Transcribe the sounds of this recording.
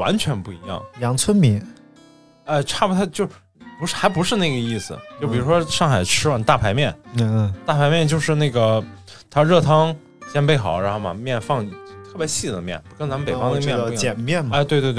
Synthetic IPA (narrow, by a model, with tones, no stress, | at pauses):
wa̰˧˥nt͡ɕʰɥɛ˧˥npu˥˩i˧˥jɑ̰˥˩ŋjɑ˧˥ŋt͡sʰwə˥nmi˧˥˦ | a˥˩ʈ͡ʂʰa˥˩bu˩t̪ʰa˥˩t͡ɕjo˥˧ʊ | pu˧˥˩xa˧˥ɪpu˧˥ʂɻ̩˥˧na˥˩ɡə˩i˥˩sɹ̩̰˩t͡ɕjo˥˩ʊpi˨˩ɻu˧˥ʂwɔ˥ʂɑ˥˩ŋxa˨˩ɪʈ͡ʂʰɻ̩˥wa˨˩nt̪a˥˩pʰa˧˥ɪmjɛ˥˩n˧t̪a˥˩pʰa˧˥ɪmjɛ˥˧nt͡ɕjo˥˧ʊʂɻ̩˥˧na˥˩ɪɡə˩ | t̪ʰa˥ɻɤ˥˩t̪ʰɑ˥ŋ | ɕjɛ˥npe˥˩ɪxɑ̰˨˩ʊɻa˧˥xo˥˩mɐ̰˨˩mjɛ˥˧nfɑ˥˧ŋ˥t̪ʰɤ˥˩bjɕi˥˩d̪ə˩mjɛ̰˥˩nkə˥nt͡sa˧˥mə˧pe˨˩fɑ˥ŋd̪ə˧mjjɛ˨˩nmjɛ˥˩nma˥˧t̪we˥˧t̪we˥˧t̪̬